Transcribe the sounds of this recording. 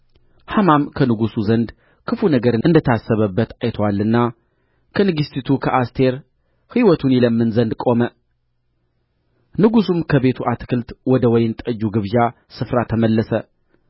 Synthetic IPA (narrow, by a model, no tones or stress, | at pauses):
hamamkʰənɨɡusuzənd̪ | kʰɨfunəɡəɾɨɨnd̪ət̪ʰasːəβəbːət̪ʰajt̪ʰwalːɨnːa | kʰənɨɡɨst̪ʰit̪ʰukʰəʔast̪ʰe̞ɾ | hiwɔt̪ʰuniləmːɨnzənd̪kʼo̞mə | nɨɡusumkʰəβe̞t̪ʰuʔat̪kʰɨlt̪wɔd̪əwɔjɪnt̪ʼəd͡ʒːuɡɨβʒa | sɨfɾat̪ʰəməlːəsə